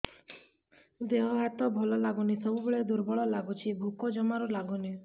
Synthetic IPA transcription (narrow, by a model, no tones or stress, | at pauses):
d̪eɦɔɦat̪ɔbʱɔlɔlaɡunisɔbubeɭed̪uɾbɔɭɔlaɡut͡ʃʰibʱukɔd͡ʒɔmaɾulaɡuni